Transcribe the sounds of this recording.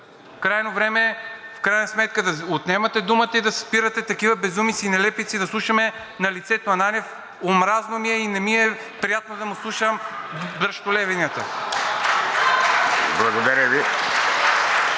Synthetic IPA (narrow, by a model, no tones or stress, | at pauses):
fkɾajnovɾɛmɛfkɾajnɐsmɛt̪̚kəd̪ɐot̪nɛmɐt̪ɛd̪umət̪əid̪ɐsɛ̥spiɾət̪ɛt̪ɐkivɐbɛzumit̪siːnɛlɛpit̪sid̪ɐslˠuʃɐmɛ | nɐlit̪sɛt̪oɐnanɛf | omɾaznomiɛinɛmiɛ | pɾijat̪nod̪ɐmuslˠuʃəmbɾɐʃt̪olɛvɛnʲiət̪ə | blˠɐɡod̪ɐɾʲəvi